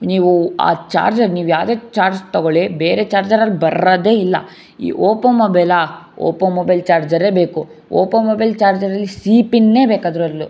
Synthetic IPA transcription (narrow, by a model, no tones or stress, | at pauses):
niːʋua̰ːt͡ʃa̰ːɾd͡ʒɐɾniːʋujaːʋd̪eːt͡ʃaːɾd͡ʒt̪ɐɡoɭebeːɾet͡ʃaːɾd͡ʒɐɾɐlbɐɾɐd̪eːilːɐ̰ | ḭːʔoːpɐnmoːbɐjlao̰ːpɐnmoːbɐjlt͡ʃaːɾd͡ʒɐɾe̞ːbeːku | o̰ːpɐnmoːbɐjlt͡ʃaːɾd͡ʒɐɾɐlːisiːpinːeːbeːkaːd̪ɐɾuɐlːu